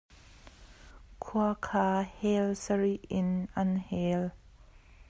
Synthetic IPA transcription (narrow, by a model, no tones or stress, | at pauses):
kʰuɐkʰaːhɛlsəɹiɪnʔɐnhɛl